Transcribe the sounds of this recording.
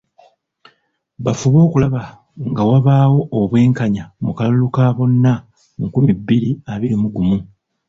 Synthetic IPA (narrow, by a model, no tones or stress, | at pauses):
βafuβo̞ːkulaβa | ŋɡawaβaːwo̞ːβwe̞ːŋkaɲamukalulukaːβo̞nːa | mukumibːiɾiaβiɾimuɡumu